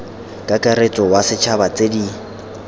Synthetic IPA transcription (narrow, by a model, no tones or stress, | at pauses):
kʼakʼaɾet͡sʼɔwasɪt͡ʃʰabat͡sʼedi